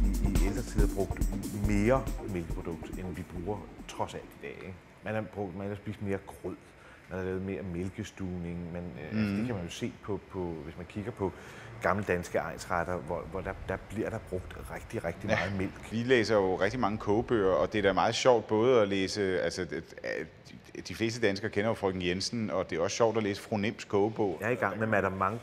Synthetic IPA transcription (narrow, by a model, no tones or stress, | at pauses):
iiel̰d̥ʁɐt͡sʰið̰ˠɐb̥ʁɔ̽ɡ̥̚d̥me̝ːɐmelɡ̥əpʰʁo̝d̥ɔ̽ɡ̥̚d̥enʋib̥ʁuːɐt͡sʰʁɒ̽sæl̰d̥id̥ɛ̰ːeɡ̥ | mænɑ̈b̥ʁɔ̽ɡ̥d̥mænɑsb̥ḭːsd̥me̝ːɐɡ̥ʰʁɔð̰ˠ | mænhɑ̈lɛːʊð̩ˠme̝ːɐmelɡ̥əsd̥uːne̝ŋmænælsəd̥ekʰæmænjo̝se̝̰ːpʰɒ̽pʰɒ̽ʋe̝smænkʰiɡ̥ɐpʰɒ̽ɡ̥ɑ̈mləd̥ænsɡ̥əɑ̈ɪnsʁɑd̥ɐʋɒʋɒd̥ɑ̈d̥ɑ̈b̥liɐ̰ɾ̥ɑ̈b̥ʁɔɡ̥̚d̥ʁɛɡ̥d̥iʁɛɡ̥̚d̥imæːð̩ˠme̝l̰ɡ̥ʋileːsɐjo̝ʁɛɡ̥̚d̥imɑ̈ŋəkʰɔʊb̥ø̰ːɐɒ̽d̥e̝æɾ̥æmɑ̈ːð̞̩ˠɕɒʊ̰d̥̚b̥ɔ̽ːð̞̩ˠɒleːsəælsə | d̥ifle̝̰ːsd̥əd̥ænsɡ̥ɐːkʰenɐjo̝fʁœ̰ɡ̥ŋ̩jensn̩ɒ̽d̥e̝æɐɒ̽sɕɒ̰ʊ̰d̥ɒleːsə̥fʁonemskʰɔ̽ʊb̥ɔʊ̰iɡɑ̈ŋ̰memæd̥ɑmɑ̈ŋə